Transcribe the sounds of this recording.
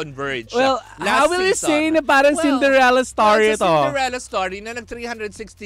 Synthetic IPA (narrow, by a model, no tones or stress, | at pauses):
ɔ̃nvə˞d͡ʒwɛlˠ | haʊwɪlˠjusẽːnəpaɾɐ̃ŋsɪ̃nd̪əɾɛləst̪ɔɹiɛt̪ɔlɹɛlɐstɔɹinɐnɐɡ̚t̪ɾiːhɐ̃ndɾɨdsɪksti